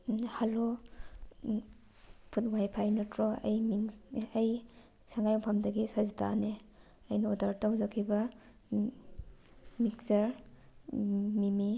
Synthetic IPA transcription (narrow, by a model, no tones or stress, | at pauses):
halo | pʰut̚wajpʰajnɐtɾɔɐ̰jmiɐj | saŋɡajpʰamdɐɡisazitʰa̰ne | ɐjnɐodaɾtawzakʰːibɐ | miksɐɾ | mimi